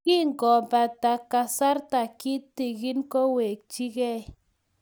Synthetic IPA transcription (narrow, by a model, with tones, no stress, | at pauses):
ki˦ŋ˨ɡɔ˨ba˨ta˨ka˨sa˦ɾta˨ki˦te˨ɡi˦nkɔ˦we˨k̚t͡ʃi˦ɡɛ˦˨